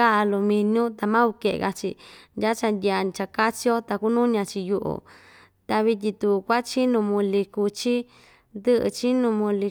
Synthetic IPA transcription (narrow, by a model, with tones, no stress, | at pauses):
a˦a˧lu˧mĩ˧nũ˦t̪a˧mã˦u˧ke˧ʔḛ˧ɣa˧t͡ʃḭ˧ndʲa˦t͡ʃa˧nd̪ʲa˧t͡ʃa˧ka˦t͡ʃi˦o˦t̪a˧ku˦nũ˦ɲã˧t͡ʃi˧ju˧ʔo̰˨ | t̪a˧βi˧t̪̬ʲi˧t̪u˧kʷa˦t͡ʃi˦nũ˧mũ˧li˧ku˧t͡ʃi˦ | nd̪ɨ˦ʔɨ̰˧t͡ʃi˦nũ˧mũ˧li˧